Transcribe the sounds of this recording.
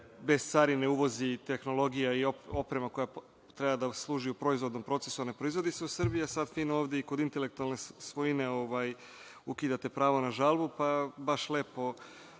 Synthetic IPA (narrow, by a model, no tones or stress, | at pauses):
be̞st̪saːɾine̞uʋo̞zit̪e̞xno̞lˠo̞ɡijaioo̞pɾe̞mako̞ja | t̪ɾe̞bad̪aslˠuːʒiupɾo̞izʋo̞d̪no̞mpɾo̞t̪sesuanepɾo̞izʋo̞d̪iseusɨrbijasad̪fiːnoːʋd̪eikod̪int̪e̞le̞k̚t̪ualˠne̞sʋojine̞o̞ʋaj | ukid̪at̪e̞pɾaːʋo̞naʒalˠbupabaʃleːpo̞